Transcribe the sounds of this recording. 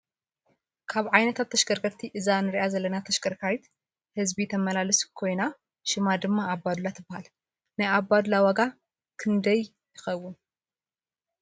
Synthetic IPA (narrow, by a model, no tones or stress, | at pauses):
kʰaβʕajnɐt̪ʰat̪ʰːɐʃɡɐɾkʰɐɾt̪ʰiʔɨzanɨɾʔazɐlːɐnat̪ʰɐʃɡɐɾkʰajit̪ | hɨzbit̪ʰɐmɐlalɨskʰo̞jna | ʃɪmad̪ɨmːaːbːad̪lat̪ʰɨbːahal | najabːad̪lawɐɡa | kʰɨnd̪ɐj | jɪxɐwːʊn